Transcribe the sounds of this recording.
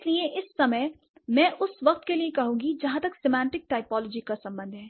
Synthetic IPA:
ɪlieʔɪsːɐməj | mɛ̃ːʔʊsʋɐq̚t̪keliekɐɦũːŋɡid͡ʒɐɦãt̪ɐksemɛ̃ːɳʈɪk̚ʈaːɪpɔːlɔːd͡ʒikasɐ̃mbə̃nd̪ʱɦɛː

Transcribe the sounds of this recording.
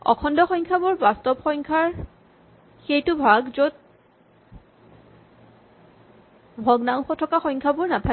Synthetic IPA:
ɔ̰kʰɔndɔxɔjŋkʰabʊɹbastɔbxɔjŋkʰaɹ | xejtʊbʱaɡzot̚ | bʱɔɡnaw̃xɔtʰɔkaxɔjŋkʰabʊɹnapʰa

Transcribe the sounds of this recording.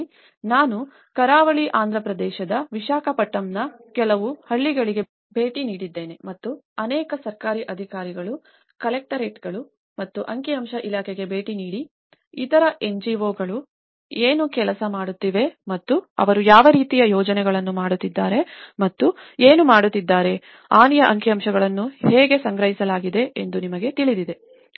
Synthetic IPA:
naːnu | kɐɾaːʋɐɭiʔaːnd̪ɾɐpɾɐd̪ɛːʃɐd̪ɐʋiʃaːkɐpɐʈːɐmnɐkɛlɐʋuhɐɭːiɡɐɭiɡe̞ | bʱe̞ːʈiniːɽid̪ːe̞ːne̞mɐt̪ːuɐnɛːkɐsɐɾkaːɾiʔɐd̪ʱikaːɾiɡɐɭu | kɐlek̚ʈɐɾeːʈɡɐɭu | mɐt̪ːuʔɐŋkiɐmʃɐʔilaːkʰɛɡe̞be̞ːʈiniːɽi | it̪ɐɾɐʔe̞ɲd͡ʒiʋoːɡɐɭu | eːnukɛlɐsɐmaːɽut̪ːiʋe̞mɐt̪ːuɐ̰ʋɐɾujaːʋɐɾiːt̪ijɐjɔːd͡ʒɐnɛɡɐɭɐnːumaːɽut̪ːid̪ːaːɾe̞mɐt̪ːueːnumaːɽut̪ːid̪ːaːɾe̞ | aːnijɐʔɐŋkiɐmʃɐɡɐɭɐnːuheːɡe̞sɐŋɡɾɐɦisɐlaːɡid̪e̞ʔend̪unimɐɡe̞t̪iɭid̪id̪e̞

